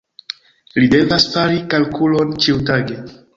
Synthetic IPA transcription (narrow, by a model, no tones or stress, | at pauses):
lide̞vasfaɾikalkulo̞nt͡ʃiutaɡe̞